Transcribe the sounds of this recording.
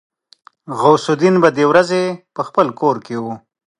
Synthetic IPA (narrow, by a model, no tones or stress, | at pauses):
ɣawsʊd̪inbad̪ewɾazepəxpəlkoɾkewu